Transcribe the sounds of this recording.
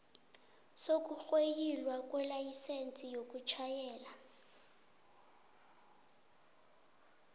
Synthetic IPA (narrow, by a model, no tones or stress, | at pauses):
sok̬ʼuxwejilwakʼwɛlajisent͡sʼijok̬ʼut͡ʃʰajɛːla